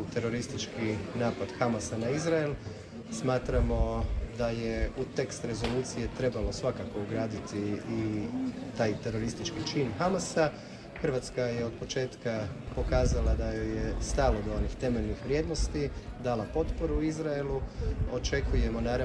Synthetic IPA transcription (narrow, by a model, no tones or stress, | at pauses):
t̪e̞ɾoɾist̪it͡ʃkinaːpad̪xamasanaizɾael | smaːt̪ɾamo̞d̪ajeut̪e̞kst̪ɾe̞zo̞luːt̪sije̞t̪ɾe̞balo̞sʋakako̞uɡɾaːd̪it̪iː | t̪aːjt̪e̞ɾo̞ɾist̪it͡ʃkit͡ʃiːnxamasa | xəɾʋat̪skajeod̪̚po̞t͡ʃe̞ːt̪kapo̞kaːzalad̪ajojest̪alˠod̪oonixt̪e̞meʎnixʋɾjeːd̪no̞st̪id̪alapo̞t̪po̞ɾuizɾaelˠuo̞t͡ʃe̞kuje̞mo̞naːɾa